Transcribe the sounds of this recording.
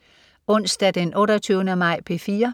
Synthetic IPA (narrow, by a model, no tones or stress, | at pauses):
ɔ̽n̰sd̥æd̥enʔɔ̽ːɾɐt͡sʰyʊnəmɑ̈ɪ̰pʰe̝fiːɐ